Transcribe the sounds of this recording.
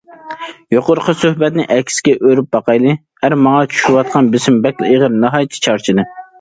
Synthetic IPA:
joqʊɾqəsøhbɛt̪̚nɪʔɛkʲsɪ̥ɡʲɛʔøɾyp̚bɑqɑjlˠɨ | hæɾmɑŋɑt͡ʃʰy̥ʃuwɑt̪̚qʰɑnbɪsɪmbɛkʲlɪeʁəɾnɑɦɑjt̪ʰːi̥t͡ʃʰɑɾt͡ʃʰid̪ɨ

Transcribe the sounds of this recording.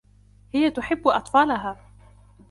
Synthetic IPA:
hɪjat̪ʊħɪbːʔɑt̪ˤfɑːlaɦaː

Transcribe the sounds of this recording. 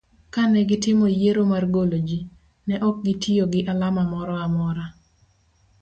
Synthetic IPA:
kanɛɡɪtɪmojeɾomarɡolod͡ʒi | nɛʔɔk̚ɡɪtioɡɪʔalamamɔɾɔamɔɾa

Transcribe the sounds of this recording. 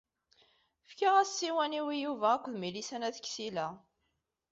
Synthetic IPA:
fkaʁæssːiwæniwijuvæːkʷːðmilisænæθə̥kːsilæ

